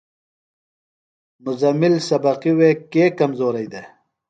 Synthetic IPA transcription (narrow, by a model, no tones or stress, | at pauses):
mʊzɐmɪlsɐbɐqiweːkeːkɐmzoːɾɐjd̪e